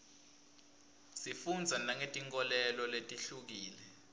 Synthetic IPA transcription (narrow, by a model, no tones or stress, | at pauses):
sifund͡zʱanaŋetʼiŋk̬ʼɔlɛlɔletʼiɬuk̬iːlɛ